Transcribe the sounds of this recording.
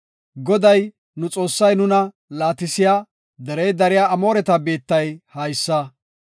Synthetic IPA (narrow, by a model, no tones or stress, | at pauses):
ɡɔd̪ɐj | nʊt͡sʼo̞ːsːɐjnʊnɐ | laːt̪ɪsɪjaː | d̪ɛɾɛjd̪ɐɾɪjaːɐmo̞ːɾɛt̪ɐbe̞ːt̪ːɐjhɐjsːɐ